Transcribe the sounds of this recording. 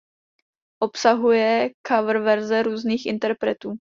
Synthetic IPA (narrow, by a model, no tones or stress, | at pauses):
ʔo̞psaɦujɛkavr̩vɛɾzɛɾuːzniːxʔɪ̰nt̪ɛɾpɾɛt̪uː